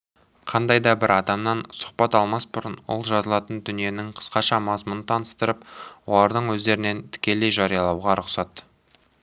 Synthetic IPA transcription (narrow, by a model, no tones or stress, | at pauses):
qʰɑnd̪ɑjd̪ɑbɪɾɑd̪ɑmnɑnsʊ̥qpɑt̪ɑlˠmɑsbʊɾənwo̰lˠʒɑzəlˠɑt̪ənd̪ʏnije̞nɪŋqʰə̥sqɑʃɑmɑzmʊnət̪ʰɑnəst̪əɾəpwo̞lˠɑɾd̪əɴwɵzd̪e̞ɾɪne̞nt̪ʰɪ̥kʲe̞le̞jʒɑɾijɑlˠɑwʁɑɾʊqsɑt̪